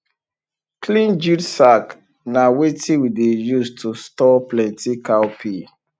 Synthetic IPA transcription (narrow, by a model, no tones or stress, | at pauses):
kʰlĩnd͡ʒidsak | nawetiwidejustʰustɔplɛ̃ntikaʊpʰi